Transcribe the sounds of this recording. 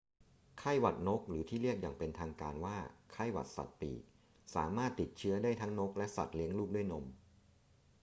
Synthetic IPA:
kʰa˥˩jwa˨˩t̪̚no˦˥k̚ɾɯː˩˦t̪ʰiː˥˩ɾi˥˩ək̚jaː˨˩ŋpe˧nt̪ʰaː˧ŋkaː˧nwaː˥˩kʰa˥˩jwa˨˩t̪̚sa̰˨˩t̪̚pḭː˨˩k̚ | sa̰ː˩˦maː˥˩t̪ːi˨˩t̪̚t͡ɕʰɯ˦˥ɐdaː˥˩jt̪ʰa˦˥ŋno˦˥k̚lɛ˦˥ʔsa̰˨˩t̪̚li˦˥əŋluː˥˩k̚du˥˩jno˧m

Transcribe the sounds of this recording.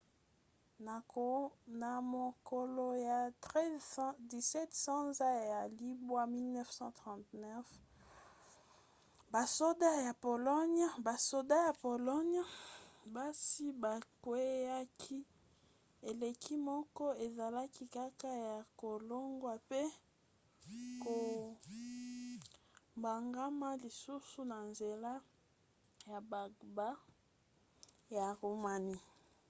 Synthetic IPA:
na˨mo˨ko˨lo˨ja˨tɛ˦di˨sɛ˦tsɑ̃˦za˦ja˨li˦bwa˦mi˦lnɛ˦fsɑ̃˦tʁɑ̃˨tnɛ˦f | ba˨so˦da˦ja˨po˨lɔ˦ɲ˦ba˨so˨da˦ja˨po˨lɔ˦ɲ˦ba˦si˦ba˨kwe˦a˦kʰi˦ | e˨le˨kʰi˦mɔ˦kɔ˦e˨za˨la˦ki˦ka˦ka˦ja˨ko˨lo˦ŋɡwa˨pe˦ | ko˨ | mba˨ŋɡa˦ma˦li˨su˦su˨na˨nze˨la˦ | ja˨ba˨ɡba˦ | ja˨ʁu˨ma˨ni˦

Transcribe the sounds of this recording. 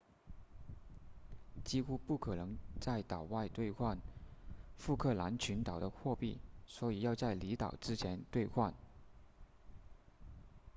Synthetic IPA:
t͡ɕi˥xu˥pu˥˩kʰɤ˨˩nɤ˧˥ŋt͡sa˥˩ɪt̪ɑ˨˩ʊwa˥˧ɪt̪we˥˧ɪxʰwa˥˧n | fu˥˧kʰɤ˥˩la˧˥nt͡ɕʰy˧˥nt̪ɑ˨˩ʊd̪ə˦xwɔ˥˧pi˥˩swɔ˧˥i˨˩jɑ˥˧ʊt͡sa˥˩ɪli˧˥t̪ɑ˨˩ʊʈ͡ʂɻ̩˥t͡ɕʰjɛ˧˥nt̪we˥˧ɪxʰwa˥˩n

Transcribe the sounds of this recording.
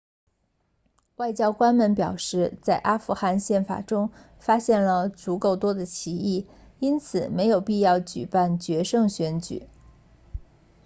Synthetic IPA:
wa˥˩ɪt͡ɕjɑ˥ʊkwa˥nmə˧˥npjɑ˨˩ʊʂɻ̩˥˧t͡sa˥˩ɪʔa˥fu˧˥˧xa˥˧nɕjɛ˥˩nfa̰˨˩ʈ͡ʂʊ˥ŋ | fa˥ɕjɛ˥˩nlə˩t͡su˧˥ko˥˩ʊt̪wɔ˥d̪ə˨t͡ɕʰi˧˥i˥˩ | i˥nt͡sʰɹ̩˨˩˦me˧˥ɪjo˨˩ʊpi˥˧jɑ˥˩ʊt͡ɕy˨˩pa˥˩nt͡ɕɥɛ˧˥ʂɤ˥˧˩ŋɕɥɛ˧˥nt͡ɕy̰˨˩˦

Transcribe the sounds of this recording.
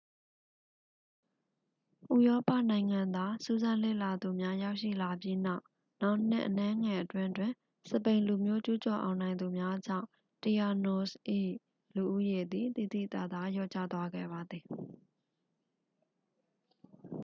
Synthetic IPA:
ʔṵ˦˨jɔ˦pä̰˦˨nã˨ɪ̃ŋã˨nd̪wa˨su˦zã˦lḛ˦˨la˨d̪u˨mja˦ja˦ʊʔʃḭ˦˨la˨pji˦na˦ʊ | na˦ʊn̥ɪ̰̃˦˨ʔənɛ̃˦ŋɛ˨ʔətwɪ̃˦ʔtwɪ̃˨ | sə˨pẽ˨ɪ̃lu˨mjo˦t͡ɕu˦t͡ɕɔ˨ʔã̰˨ʊ̃nã˨ɪ̃nd̪u˨mja˦d͡ʑã̰˦ʊ̃ | ti˨a˨no˦sʔḭ˦˨ | lu˨ʔu˦je˨d̪i˨t̪i˨d̪ḭ˦˨t̪a̰˦˨d̪a˦jɔ̰˦˨t͡ɕä̰˦˨t̪wa˦ɡɛ̰˦˨βa˨d̪ði˨

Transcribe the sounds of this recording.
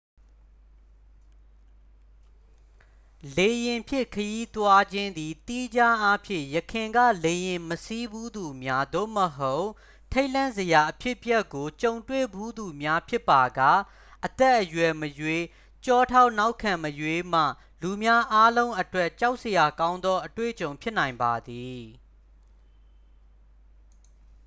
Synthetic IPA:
le˨jɪ̃˨mpʰjɪ̃˦˨kʰəji˦t̪wa˦d͡ʑɪ̃˦nd̪i˨t̪i˦d͡ʑa˦ʔa˦pʰjɪ̰̃˦˨jəkʰɪ̃˨ŋɡä̰˦˨le˨jɪ̃˨məsi˦bu˦d̪u˨mja˦d̪o̰˦˨məɦo˦ʊʔ | tʰe˦ɪʔlã˦˨nzə˨ja˨ʔəpʰjɪ˦ʔpjɛ˦kːo˨t͡ɕõ˨ʊ̃ntwḛ˦˨bu˦d̪u˨mja˦pʰjɪ˦pːa˨ɡa˦˨ | ʔət̪ɛ˦ʔːəjwɛ˨məjwe˦ | t͡ɕɔ˦˨tʰa˦ʊʔna˦ʊʔkʰːã˨məjwe˦m̥a̰˦˨ | lu˨mja˦ʔa˦lõ˦ʊ̃ʔətwɛ˦ʔt͡ɕa˦ʊʔsəja˨kã˦ʊ̃nd̪ɔ˦ʔətwḛ˦˨ət͡ɕõ˨ʊ̃pʰjɪ˦ʔnã˨ɪ̃mba˨d̪i˨

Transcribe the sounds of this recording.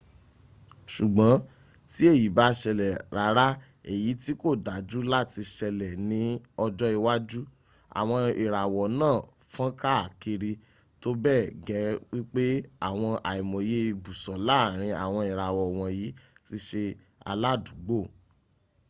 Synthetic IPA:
ʃu˨ɡ͡bɔ̃˨˦ | ti˦e˦˨ji˨˦ba˦ʃɛ˧lɛ˨ɾa˨˦ɾa˦ | e˦˨ji˨˦ti˦ko˦˨da˨˦d͡ʒu˦la˦ti˧ʃɛ˧lɛ˨nĩ˨˦ɔ˧d͡ʒɔ˦i˧wa˦d͡ʒu˦ | a̰˨w̃ɔ̃˧i˨ɾa˨wɔ˨nãː˦˨ | fã˦ka˦a˦˨ki˧ɾi˧ | to˦bɛ˦˨ɡɛ˨˦wi˦k͡pe˦a˦˨w̃ɔ̃˧ʔa˨i˨mɔ̃˨je˦˧ɡ͡bu˨sɔ˨la˦˨ɾ̃ĩ˧a̰˨w̃ɔ̃˧i˨ɾa˨wɔ˨w̃ɔ̃˧ji˨˦ti˦ʃe˧ | a̰˧la˦˨du˨ɡ͡bo˦˨

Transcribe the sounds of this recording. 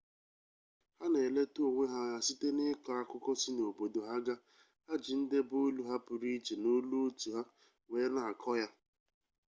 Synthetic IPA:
ha˦ne˨le˦tu˦o˨ŋʷe˦ɦa˦ja˦si˦te˦nɪ˦ka˨a˦˨kʊ˦kɔ˦si˦no˨bo˨do˨ɦa˦ɡa˦ | a˦d͡ʒi˨n̩˦de˦bo˦lu˦ɦa˦pʊ˨ɾi˦t͡ʃe˨no˦lu˦o˦tu˨ɦa˦ | ŋe˨˦na˨a˨kʰɔ˦ja˦

